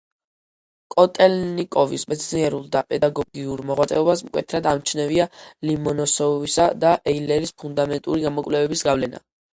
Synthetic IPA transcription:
kʼɔt̪ʼɛlnikʼɔvismɛt̪sʰniɛɾulˠd̪apʼɛd̪aɡɔɡiuɾmɔʁwat̪sʼɛ̰ɔbasmkʼwɛ̰t̪ʰɾad̪amt͡ʃʰnɛvialimɔnɔsɔvisad̪aʔɛilɛɾispʰund̪amɛnt̪ʼuɾiɡamɔkʼwvlɛvɛbisɡavlɛna̰

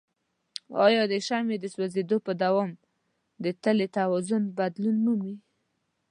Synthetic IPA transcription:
ɑ̰jɑd̪əʃamed̪əswazed̪opəd̪awɔm | d̪ət̪əlet̪awɔzʊnbad̪lunːumi

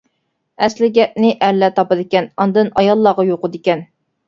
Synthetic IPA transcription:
ɛslɪɡʲɛp̚nɪʔælːɛt̪ʰɑpɑd̪ekʲɛnɑnd̪ɨnɑjɑlˠːɑʁɑjoqəd̪ɪkʲɛn

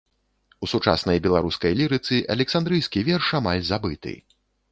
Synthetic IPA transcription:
usut͡ʂa̰snɐjbʲɛlˠaɾuskɐjlʲiɾɨt̪sɨʔɐ̰lʲɛksand̪ɾɨjskʲivʲɛrʂamalʲzabɨt̪ɨ̰

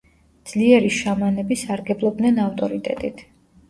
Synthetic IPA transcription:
d̪z̥liɛɾiʃamanɛbisaɾɡɛblˠɔb̚d̪nɛnaft̪ʼɔɾit̪ʼɛ̰t̪ʼit̪ʰ

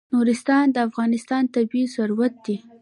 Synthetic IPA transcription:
nuɾɪst̪ɑnd̪əafɣɑnɪst̪ɑnt̪abizaɾuɾat̪̚d̪i

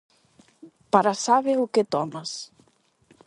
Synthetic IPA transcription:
paɾasaβeʊket̪ɔmɐs

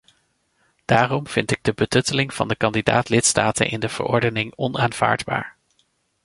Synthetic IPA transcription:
d̥aːrɔmv̥ɪntɪɡ̚dəbətɵtəlɪŋv̥ɑ̰ndəkɑndida̰ːtlɪtstaːtə̰nʔɪ̰ndəv̥ə̰ɹʔɔɹdənɪŋɔnaːnv̥a̰ːɹdba̰ːɹ

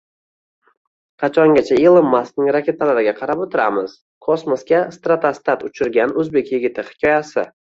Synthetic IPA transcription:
qʰɑt͡ʃʰɒŋɡʲat͡ʃʰaelˠɪmːasknɪŋɾakʲe̞t̪ʰalaɾɪɡʲaqʰɑɾapɵt̪ʰɪɾamɪz̥ | kʰosmoskʲast̪ɾat̪ʰast̪at̪ʊt͡ʃʰɪɾɡʲanɵzbe̞kʲjɪɡʲɪt̪ʰɪhɪ̥kʲʰɒjasɪ

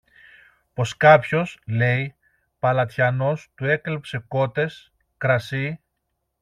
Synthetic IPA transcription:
po̞skɐpço̞sle̞j | pɐlɐt̪çɐno̞st̪ue̞klepse̞ko̞t̪e̞s | kɾɐsi

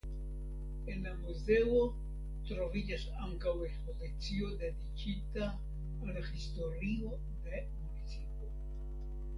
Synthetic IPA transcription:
enlamuzeo | t̪ɾo̞vid͡ʒas | a̰ŋkawekskolek̚t͡siod̪ed̪ikit̪aː | laxist̪o̞ɾio | d̪e̞ | munit͡sipo

